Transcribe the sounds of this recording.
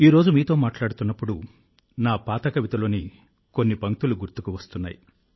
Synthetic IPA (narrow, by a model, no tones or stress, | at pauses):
iːɾo̞ːd͡ʒumiːt̪o̞ːmaːʈlaːɽut̪unːɐpːuɽu | naːpaːt̪ɐkɐʋit̪ɐlo̞ːni | konːipɐŋt̪uluɡuɾt̪ukuʋɐst̪unːa̰ːji